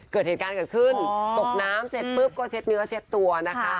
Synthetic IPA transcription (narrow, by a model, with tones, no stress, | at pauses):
kɤː˨˩t̪̚heː˨˩kaː˧nkɤː˨˩t̪kʰɯ˥˩nt̪o˨˩k̚naː˦˥mse˨˩t̪̚pɯ˦˥˩p̚kɔː˥˩t͡ɕʰe˦˥t̪̚nɯ˦˥ɐt͡ɕʰe˦˥t̪ːu˧ɐna˦˥kʰa˦˥